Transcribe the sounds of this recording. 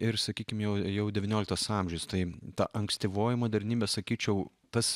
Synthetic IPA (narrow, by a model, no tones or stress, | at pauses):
ɪɾsɐkʲiːkʲɪmjɛʊjɛʊd̪ʲɛʋʲɪnʲoːlʲɪkt̪ɐsɑˑmʲʒʲɛʊst̪ɐɪt̪ɐʔɐŋksʲt̪ʲiʋoːjɪmoːd̪ʲɛɾʲnʲiːbʲɛsɐkʲiːt͡ʃʲɛʊ | t̪ɐs